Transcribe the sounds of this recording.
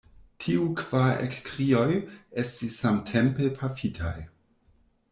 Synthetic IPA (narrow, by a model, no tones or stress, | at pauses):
tʰiukv̥aḛkkʁio̞jestisːamtʰempepʰafitʰa̰j